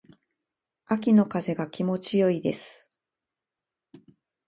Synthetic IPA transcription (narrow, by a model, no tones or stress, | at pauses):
akʲino̞kaze̞ɡakʲimo̞t͡ɕijo̞id̪e̞sɨ̥